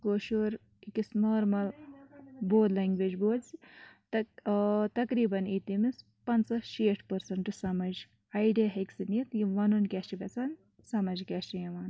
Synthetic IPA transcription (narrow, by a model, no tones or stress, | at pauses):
koːʃoɾ | ikisnoːɾmɐl | boːd̪lɐŋɡʋed͡ʒboːd̪si | t̪ɐkɾiːbɐnit̪imis | pɐnsɐʃeːʈʰpɐɾsɐɳʈɨsɐmɐd͡ʒ | ɐjɖeɦeksinit̪jiʋɐnunkʲɐʃibʲɐt͡sɐn | sɐmɐd͡ʒkʲeʃijɐʋaːn